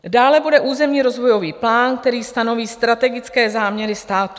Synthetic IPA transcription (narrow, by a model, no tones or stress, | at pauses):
daːlɛbudɛʔuːzɛmɲiːɾo̞zvo̞jo̞viːplaːnk̚t̪ɛɾiːst̪ano̞viːst̪ɾat̪ɛɡɪt͡skɛːzaːmɲɛɾɪst̪aːt̪u